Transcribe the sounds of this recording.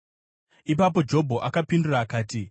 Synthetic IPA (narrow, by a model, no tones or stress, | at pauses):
ip̬apo̞d͡ʒo̞bʱo̞ʔakapinduraːkaːti